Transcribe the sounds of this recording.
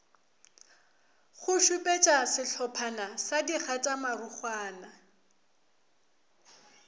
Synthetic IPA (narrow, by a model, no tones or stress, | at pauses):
χʊʃupʼet͡ʃʼasɪɬʰɔpʰanasadiχatʼamarʊχwaːna